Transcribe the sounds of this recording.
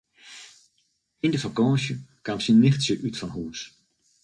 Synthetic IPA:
ɪndəfakɑ̃ːʃəkamsinːɪχtsəʔytfɑnɦuːs

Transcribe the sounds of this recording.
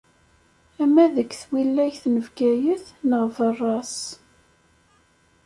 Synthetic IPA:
æmæðəkːθwilːæjθnəvɡæjəθnəʁvərˤːɑs

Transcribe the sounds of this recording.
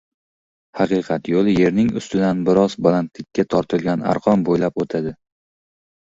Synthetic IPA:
hɑqɨqʰɑt̪jolˠɪje̞ɾnɪŋʊ̰st̪ɪd̪anbɪɾɒzbɒlˠant̪lɪkʲʰːat̪ʰɒɾt̪ʰɪlɡʲana̰ɾqʰɒmbojlapot̪ʰad̪ɪ

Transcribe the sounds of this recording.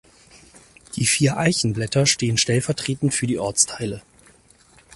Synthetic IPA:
d̥iːfiːɐʔaɪçn̩blɛtʰɐʃteːənʃtɛlfɛɐtʁ̥eːtn̩fyːɐdiːʔɔɐt͡stʰaɪlə

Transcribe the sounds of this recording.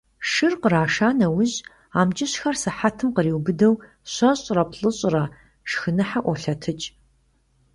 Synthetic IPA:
ʂɨrqəraːʃaːnɐwʊʑ | aːmt͡ʃʼɪɕxɐrsɨħatʰɨmqəriːwbɨdɐw | ɕʷɐɕʼrɐpɬʼɨɕʼrɐ | ʃxɨnɨħaʔʷɔɬɐtʰɨt͡ʃʼ

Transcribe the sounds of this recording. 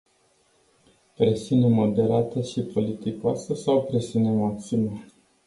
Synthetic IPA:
pɾe̞siunemo̞d̪e̞ɾat̪əʃipo̞lit̪ikoasəsawpɾe̞siunemot̪sinə

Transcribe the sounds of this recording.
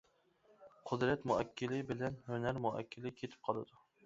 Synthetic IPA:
qʰʊd̪ɾat̪mʊakʲʰːɪlɪbɪlanɵnaɾmʊa̰kʲʰːɪlɪkʲʰet̪ʰɪ̥p̚qʰɒlˠad̪ʊ

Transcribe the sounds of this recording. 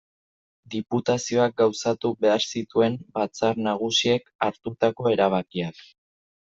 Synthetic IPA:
d̪iput̪asio̞ak̚ɡawsat̪uβe̞aɾsit̪ue̞mbat͡saɾnaɣ̞usie̞kaɾt̪ut̪ako̞e̞ɾaβ̞akiak

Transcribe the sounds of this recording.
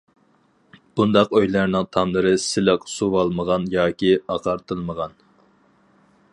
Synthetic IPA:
b̥und̪ɑqøjlˠɑɾnɨŋt̪ʰɑmlˠɨɾɨsɪlɪqsuwɑlˠməʁɑnjɑːkʲiɑqʰɑɾt̪ʰɨlˠməʁɑn

